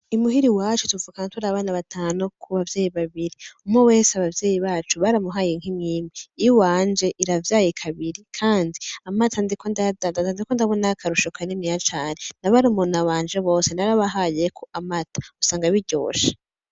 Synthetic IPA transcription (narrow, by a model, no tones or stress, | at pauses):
imuɦiɾiwat͡ʃutuvukaŋatʰuɾaβaːnaβatʰaːnokʰuβavjeːjiβaβiɾiumŋowe̞ːseaβavjeːjiβaːt͡ʃuβaɾamuɦaːjeŋhimŋiːmeijwaːnd͡ʒe̞ʔiɾavjaːjikʰaβiɾikʰaːndiamatʰandikʰondadadaandikondaβonakʰaɾuʃokaninijat͡ʃaːnenaβaɾumonaβaːnd͡ʒeβo̞ːse̞naɾaβaɦaːjekʰoʔamatḁusaːŋɡaβiɟo̞̰ːʃḁ